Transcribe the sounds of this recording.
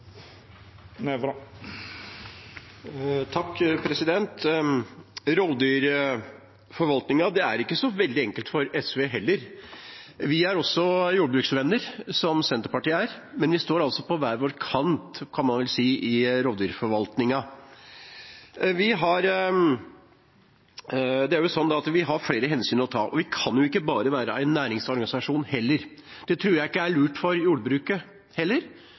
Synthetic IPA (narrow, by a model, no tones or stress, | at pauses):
t̪ʰɑkːpʰɾɛsɪd̪ɛnt̪ | ɾoːd̪yːɾ | fɔɾʋɑlt̪nɪŋɑd̪ɛæɾɪkːəsɔʋɛld̪ɪɛŋkəlt̪fɔɾɛsʋeːɦɛlːəɾ | ʋɪæɾɔsːɔjuːɖəbɾʉːksʋɛnːəɾsɔmsɛnt̪əɾpɑʈiːæːɾmɛnʋɪst̪oːɾɑlsɔpɔʋæːɾʋoːɾkʰɑnt̪kʰɑnmɑnʋɛlsiːʔɪɾoːd̪ʋɪːɾfɔɾʋɑlt̪nɪŋɑ | ʋɪɦɑɾ | d̪ɛæɾjʊsɔnːd̪ɑɑt̪ʋɪɦɑɾfɽeːɾəɦɛnsyːnəɾɔt̪ʰɑ̰ːʔɔʋɪkʰɑnjʊɪkːəbɑːɾəʋæːɾəʔæ̰ɪnːæːɾɪŋsɔɾɡɑnɪsɑʂuːnhɛlːəɾd̪̥ɛt̪ʰɾuːɾjæɪɪkːəæɭʉːʈfɔɾjuːɖəbɾʉːkə | hɛlːəɾ